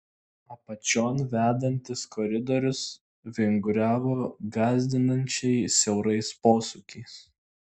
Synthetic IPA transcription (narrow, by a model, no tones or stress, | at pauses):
ɐpɐt͡ʃʲoːnʋʲæːd̪ɐnʲt̪ʲɪskɔɾʲɪd̪ɔɾʲʊs | ʋʲɪŋɡʊɾʲæːʋoːɡɑːzʲd̪ʲɪnɐnʲt͡ʃʲɛɪsʲɛʊɾɐɪspoːsʊkʲɛɪs